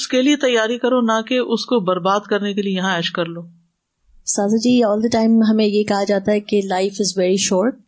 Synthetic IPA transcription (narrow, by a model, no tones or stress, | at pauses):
ʊskeliet̪ɐjːaːɾikɐɾonakeʔʊskobɐɾbaːd̪kɐɾnekeliejɐɦãɛːʃkɐɾloː | saːzad͡ʒiːɔːld̪əʈãːɪ̃mɦɐmẽjekɐɦad͡ʒaːt̪aɦɛkelaɪfɪzʋɛːɾiʃɔːɾʈ̚